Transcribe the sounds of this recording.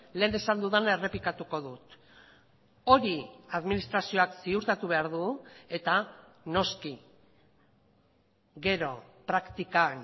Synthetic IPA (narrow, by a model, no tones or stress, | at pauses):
le̞ːnesand̪uðanae̞re̞pikat̪uko̞ðut̪ | o̞ɾiaðminist̪ɾasio̞aksiuɾt̪at̪uβ̞e̞aɾðue̞t̪a | no̞ski | ɡe̞ɾo̞pɾakt̪ikan